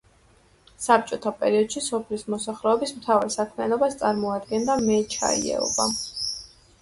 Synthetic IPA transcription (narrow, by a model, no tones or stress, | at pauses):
sap̚t͡ʃʼɔt̪ʰapʼɛɾiɔd̪̥ʃisɔpʰlismɔsaχlɛɔbismt̪ʰavaɾɛsakʰmianɔbast̪sʼaɾmɔad̪ɡɛnd̪amɛt͡ʃʰa̰ḭɛ̰ɔ̰ba